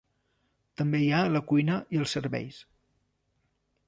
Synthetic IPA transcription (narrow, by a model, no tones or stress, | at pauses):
t̪əmbejaləkujnəʔiəlˠsːəɾβɛ̰js